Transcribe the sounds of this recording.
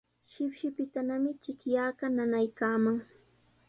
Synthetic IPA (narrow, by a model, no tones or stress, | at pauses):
ʃɪpʃɪpɪt̪anamɪt͡ʃɪkjaːɢɑnanajkaːmaŋ